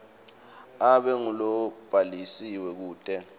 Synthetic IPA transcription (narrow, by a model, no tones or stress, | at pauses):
aɓɛŋulɔb̥ʱalisiwɛk̬uːtʼɛ